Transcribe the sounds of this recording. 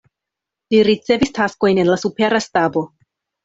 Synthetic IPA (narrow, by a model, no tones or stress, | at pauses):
liɾit͡se̞vistʰasko̞jne̞nlasupe̞ɾastabo̞